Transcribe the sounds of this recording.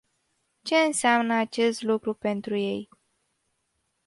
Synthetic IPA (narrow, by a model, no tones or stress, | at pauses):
t͡ʃe̞ɨnseamnəat͡ʃe̞st̪lukɾupe̞nt̪ɾuje̞j